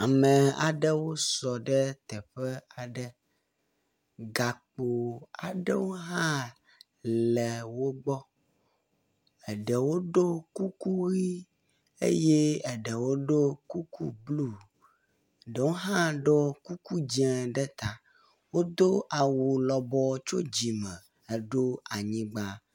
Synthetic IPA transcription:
a˨mɛ̃˨a̰˨ɖɛ˦wo˦sɔ˨ɖɛ˦t̪ɛ˨ɸɛ˦a˨ɖɛ˦ | ɡa˨k͡po˨a˨ɖɛ̰˦wo˦ɦã˦ | lɛ˨wo˦ɡ͡bɔ˦ | ɛ˨ɖɛ˨wo˦ɖo˦ku˦ku˦ɣi˦ | ḛ˦je˦ɛ˨ɖɛ˨wo˦ɖo˦ku˦ku˦blu˦˨ | ɖə˨wo˦ɦã˦ɖɔ˦ku˦ku˦d͡ʑi˦ɛ̃˨ɖɛ˦t̪a˨ | wo˦d̪o˦ʔa˨wu˨lɔ˨bɔ˦t͡ʃo˦d͡ʑi˨mɛ̃˨ | ɖo˦a˨ɲĩ˦ɡ͡ba˦

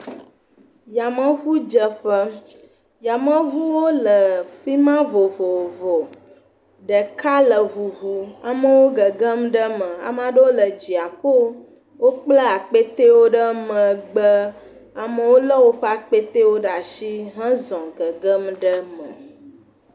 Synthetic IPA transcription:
ja˨mə̃˦vu˦d͡ʒə˦ɸə˦ | ja˨mə̃˦vu˦wo˦lə˨ɸi˦mã˦vo˨vɔ˨vɔ˨ | ɖə˨ka˦lə˨βu˨ɦu˦a˨mə̃˦wo˦ɡə˨ɡə˦mɖə˦mə̃˨a̰˨m˦ã˨ɖə˦wo˦lə˨d͡ʒi˨a˨ɸo˦ | wo˦k͡plə˦a˨k͡pe˦t̪e˦wo˦ɖə˦mə̃˨ɡ͡bə˦ | a˨mə˦wo˦lə˦wo˦ɸə˦a˨k͡pe˦t̪e˦wo˦ɖa˨ʃi˦ɦã˦zɔ̃˨ɡə˨ɡə˦mɖə˦mə̰̃˨

